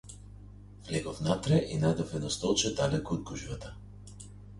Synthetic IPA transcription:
vlɛɡɔfnat̪ɾɛʔinad̪ɔfɛnɔst̪ɔlˠt͡ʃɛd̪alɛkɔːd̪̚ɡuʒvat̪a

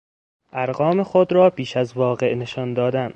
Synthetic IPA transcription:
ʔæɾɢɒːmexod̪ɾɒːbiːʃæzvɒːɣe̞ʔne̞ʃɒnd̪ɒːd̪æn

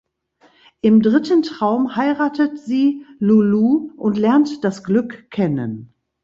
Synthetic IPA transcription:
ʔɪmdʁɪtəntʁ̥aʊmhaɪʁaːtətz̥iːluluʔʊntlɛɐntd̥asɡ̥lʏkʰːɛnə̰n

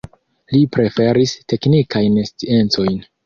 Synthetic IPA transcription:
lipɾe̞fe̞ɾiste̞knikajnest͡sie̞nt͡so̞jn

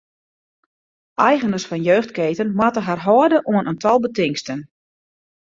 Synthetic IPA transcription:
ʔɛjɣənərsfɔnjøːxtkeːtənmatəɦarɦɔːədəʔuənʔəntʰɔlˠbətɪŋstən

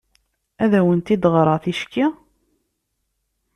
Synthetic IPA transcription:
æðæwənt̪id̪ʁɾˤɑθiʃki

